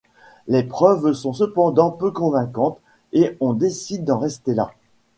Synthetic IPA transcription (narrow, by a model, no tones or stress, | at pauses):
lepχœvsɔ̃səpɑ̃d̪ɑ̃pøkɔ̃vɛ̃kɑ̃t̪ | eɔ̃d̪esid̪ːɑ̃ʁɛst̪ela̰